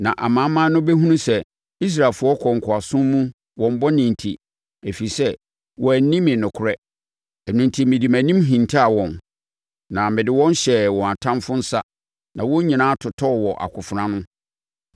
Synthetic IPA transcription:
nã˨ʔa˨mã˨˦mã˦nʊ̃˦bɛ˦ɦũ˦nũ˦sɛ˦ | i˦s̬ɾa˨lfʊ˦ɔ˦kʰɔ˨ŋ̩˨kʰʊ˨a˨sʊ̃˦m˦mũ˦ | wɔ̃˨m˦bɔ˦nĩ˨n˨tʰi˨ | æ˨fi˨i˨sɛ˦ | wʔɔ˨æ˨nĩ˦mɪ̃˨nʊ̃˨kʰʊ˨ɾɛ˦ | ɛ˨nũ˨ntʰi˨mɪ̃˨di˨mæ̃˨nĩ˦mɦĩ˨n˨tʰa˦a˨wɔ̃˨n | nã˨mɪ̃˨dɪ˨wɔ̃˦n˦ɕɛ˨wɔ̃˨a˨tʰã˦mfʊ˦n̩˦sa˦ | nã˨wɔ̃˦ɲĩ˨nã˦tʰʊ˨tʰɔ˦˨wɔ˨ʔa̰˨kʰʊ˨fʊ˨ɾã˦nʊ̃˦

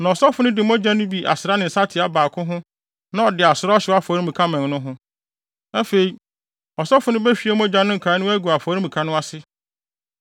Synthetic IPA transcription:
nã˨ɔ˨sɔ˦fʊ˨nʊ̃˦dɪ˨m˦ɔ˦d͡ʑa˦nʊ̃˦bi˨ʔa̰˨sɪ˨ɾa˦nɪ̃˨n̩˨sa˦tʰɪ˨a˦baː˨kʰʊ̃˦ɦʊ̃˦ | nã˦ɔ˨dɪ˨a˨sʊ˨ɾɔ˦ɕɪ˨˦a˦fɔ˨ɾĩ˦mĩ˨kʰa˦mɛ̃˨nnʊ̃˦ɦʊ̃˦ | ɛ˦fe˨i˦ | ɔ˨sɔ˦fʊ˨˦nʊ̃˦bɛ˦fᶣi˨˦e˦m˦ɔ̃˦d͡ʑa˦nʊ̃˦ŋ̩˨kʰa˨˦nʊ̃˦æ˦ɡu˨a˨faː˨˦ɾi˦mĩ˨kʰa˦nʊ̃˦a˦sɪ˦

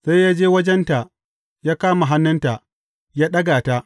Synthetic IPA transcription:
sa˦jjaː˦d͡ʒeː˦wɐ˦d͡ʒɛ˦nta˨ʔ | jaː˦kaː˦ma˨ɦa˦nːɐ˦nta˨ʔ | jaː˦ɗɐ˦ɡaː˨ta˦ʔ

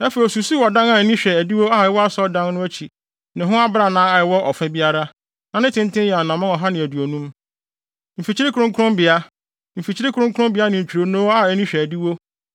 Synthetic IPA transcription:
ɛ˦fɔ˨i˨ɔ˨su˨si˦wɔ˨dã˦na˦˨nĩ˦ɕᶣɛ˨æ˨di˦wo˦a˦˨jɪ˨˦wɔ˦a˦sɔ˦dã˦nnʊ̃˦æ˦t͡ɕʰi˨ | nɪ̃˨ɦʊ̃˦a˦bɾa˦nãː˨˦a˨ɪ˨wɔ˦ʔɔ˨fɛ̃˦bi˦a˦ɾa˦ | nã˨nɪ̃˦tʰɪ̃˦n˦tɪ̃˦jɛ˨a˨nã˨mã˦ɔ˨ɦa˦nɪ̃˨æ˨du˨o˨nũ˦m | m̩˨fi˨t͡ɕʰi˦ɾɪ˦kʰɾʊ̃˦ŋ˦kʰʊ˦ɾʊ̃˦mbɪ˨a˦ | m̩˨fi˨t͡ɕʰi˦ɾɪ˦kʰʊ˦ɾʊ̃˦ŋ˦kʰʊ̃˦mbɪ˨˦a˦nɪ̃˨ɲ̩˨t͡ɕʰᶣi˨ɾo˨˦nõː˦a˦˨nĩ˦ɕᶣɛ˨æ˨di˦wo˦

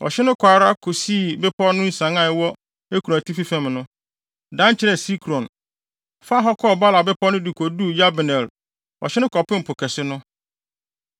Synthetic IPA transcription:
ɔ̰˨ɕɪ˦nʊ̃˦kʰaː˨ɾa˦kʰʊ˨si˦˨bɛ˦pʰɔ˦nʊ̃˦n̩˨sã˨˦ŋã˨ɛ˨wɔ˦ | e˦kʰu˨ã˨tʰi˦fi˦fɛ̃˨mnʊ̃˦ | dã˦n˦t͡ɕʰɪ˦ɾɛ˨si˦kʰɾɔ̃˨n | fa˦ɦɔ˦kʰɔ˦˨ba˦la˨bɛ˦pʰɔ˦nʊ̃˦du˨kʰɔ˨du˦˨ja˦bnɛ̃˨l | ɔ̰˨ɕɪ˦nʊ̃˦kʰɔ˨pɪ̃˦m̩˨pʰʊ˨kʰɛ˨sɪ˦nʊ̃˦

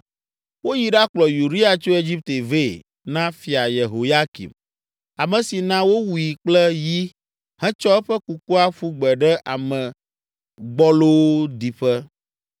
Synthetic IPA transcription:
wo˦ji˨ɖa˦k͡plɔ˨ju˨ɖi˦a˨t͡ʃo˦e˨d͡ʒi˦p̚t̪e˨ve˦˨ | nã˦fi˨a˨je˨ɦo˨ja˦kḭ˨m | a˨mɛ̃˨si˨nã˦wo˦wu˨ji˨k͡plɛ˦ji˦ | hɛ̃˦t͡ʃɔ˦ɛ˦ɸɛ˦ku˨ku˦a˦ɸu˦ɡ͡bɛ˨ɖɛ˦ʔa˨mɛ̃˨ | ɡ͡bɔ˦lo˦d̪i˨ɸɛ˦

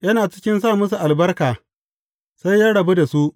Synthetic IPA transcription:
jɐ˦naː˨t͡ʃɪ̥˦kʲɪ˦nsaː˦˨mʊ˦s̬u˨ʔa˨lbɐ˦rkaː˨ | sa˦jjaː˦ɽɐ˨bu˦da˨su˦ʔ

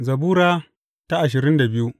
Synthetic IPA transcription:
zɐ˨buː˦ɾaː˦ | ta˦ʔa˨ʃ̬ɪ˨ɾɪ˦nda˨bɪ˦ju˦ʔ

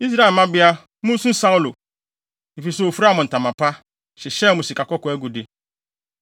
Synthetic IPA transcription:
i˦zɾa˦˨ma˦bɪ˦a˦ | mu˦sũ˦n̩˦sa˦ʊ˦lo̰˨ | i˨fi˨so˨o˨fu˦ɾa˦mʊ˨n̩˨ta˨ma˨pa˦ | ʃɪ˨ʃɛ˦˨mʊ˨si˨ka˨kɔ˦kɔ˨e˦ɡu˨di˨

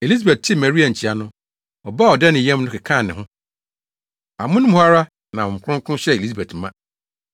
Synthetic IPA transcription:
e˨li˦z̬a˨bɛ˨t̚tʰɪ˦mɛ˨ɾi˦a˨ɲ̩˨t͡ɕʰi˨a˨nʊ̃˦ | ɔ˨ba˦˨ɔ˨dɛ˦nɪ̃˨jɛ̃˦m˦nʊ̃˦kɪ˨kʰã˦˨nɪ̃˨ɦʊ̃˦ | a˨mʊ̃˦nʊ̃˦m˦ha˦ɾa˦ | nã˨ɔ̃˨kʰʊ̃˦ŋ˦kʰʊ̃˦ɕɛ˦˨e˨li˦sa˨be˨tmã̰˦

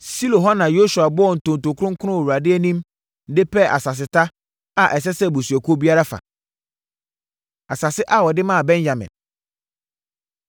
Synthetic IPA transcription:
si˦lo˨ɦɔ˦nã˨jo˦su˨a˨bɔ˦ɔ˦˨n̩˨tʊ̃˨n˨tʊ˨kʰʊ˦ɾʊ̃˦ŋ̩˦kʰʊ˦ʊ̃˦˨wu˨ɾa˨dɪ˦æ˦nĩ˦m | n̩˦dɪ˦pʰɛ˦˨ʔa̰˨sa˨s̬ɪ˨tʰa˦ | a˨ʔɛ˨s̬ɛ˦sɛ˦˨bu˨sɥɛ˨kʰo˦bi˦a˦ɾa˦fa̰˨ | a˨sa˨sɪ˦ʔa˦wɔ˨dɪ˦mã˦a˨bɛ̃˦nja˨mɪ̰̃˨n

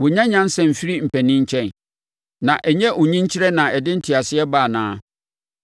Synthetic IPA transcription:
wʊ˨ɲã˦ɲã˦n˦sɛ̃˨m̩˨fi˦ɾi˦m̩˨pʰæ˨nĩ˦ɲ̩˦t͡ɕʰɛ̃˦n | nã˨ʔɛ˨ɲɛ̃˦ʔʊ˨ɲĩ˦ɲ˦t͡ɕʰɪ˦ɾɛ˦nã˨ɛ˨dɪ̃˦n̩˦tʰi˨a˨sɪ˦ɛ˦baː˦˨nãː˦

